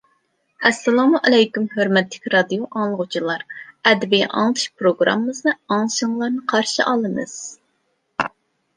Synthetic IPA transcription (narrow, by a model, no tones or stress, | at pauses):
ɛsːɛlˠɑmuʔɛlɛjkʲymhøɾmɛt̪ʰːɪ̥kʲɾɑd̪ijoʔɑŋlˠəʁʊt͡ʃʰilˠɑɾɛd̪ɪbijʔɑ̰ŋlˠɨt̪ʰɨ̥ʃpɾoɡɾɑ̰mːɨznɨɑŋlˠɨʃɨŋlˠɑɾnɨqʰɑɾʃɨʔɑlˠɨmɨ̰z̥